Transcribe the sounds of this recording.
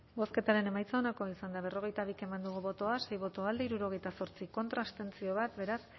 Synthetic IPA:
bo̞ske̞t̪aɾe̞ne̞majt͡saonako̞isand̪aβ̞e̞ro̞ɣe̞jt̪aβike̞mand̪uɣ̞uβo̞t̪oasejβo̞t̪oald̪eiɾuɾo̞ɣ̞e̞jt̪aso̞ɾt͡siko̞nt̪ɾast̪e̞nt͡sio̞βat̪be̞ɾas

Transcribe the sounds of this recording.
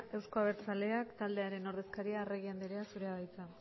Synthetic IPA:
e̞wsko̞aβ̞e̞ɾt͡sale̞akt̪ald̪e̞aɾe̞no̞ɾðe̞skaɾiareɣ̞iand̪eɾeasuɾe̞aβajt͡sa

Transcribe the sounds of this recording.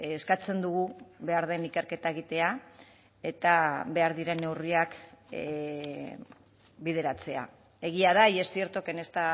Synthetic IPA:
eskat͡se̞nd̪uɣuβe̞aɾð̞e̞nike̞ɾke̞t̪ae̞ɣ̞it̪e̞a | e̞t̪aβe̞aɾðiɾe̞ne̞wriak | bið̞e̞ɾat͡se̞a̰ | e̞ɣ̞iaðaije̞st̪ie̞ɾt̪o̞ke̞ne̞st̪a

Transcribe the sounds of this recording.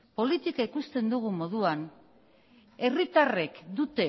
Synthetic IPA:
po̞lit̪ikaikust̪e̞nd̪uɣ̞umo̞ðuan | e̞rit̪are̞kd̪ut̪e̞

